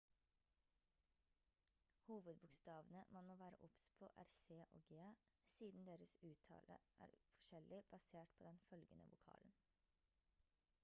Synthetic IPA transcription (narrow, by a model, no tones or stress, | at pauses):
huːʋəd̪bʊkst̪ɑːʋənəmɑnmoːʋæːɾə̰ʔʊpspʰo̰ːʔæ̰ɾseːʔo̰ːɡeːɑ | siːd̪n̩d̪eːɾəsʉːt̪ʰɑ̰ːlʔə̰ʔæ̰ːɾfɔ̥ʃɛlʔɪb̥ɑseːʈpʰoːd̪ɛnfœlɡənə̰ʋʊkʰɑ̰ːln̩